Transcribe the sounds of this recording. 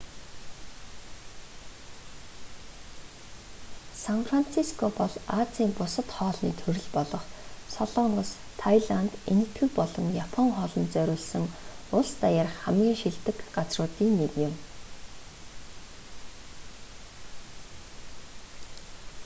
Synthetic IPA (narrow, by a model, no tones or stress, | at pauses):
sanfran̥t͡sʰiskʰɔpɔɮat͡siːmpʊsə̆t̪χɔːɮnḭːt̪ʰɵɾɵ̆ɮpɔɮɞ̆χsɔɮɔːɴɢə̆s | t̪ʰajɮant̪enɘ̆kʰt̪ɡɘ̆kpɔɮɞ̆ŋjapʰɔŋχɔɮɞ̆nt͡sœɾʲʊːɮsɘ̆ŋʊɮst̪ajaːr̆χχæmɡʲiːŋʃiɮt̪ɘ̆kɢat͡srʊːt̪iːŋnekɪ̆m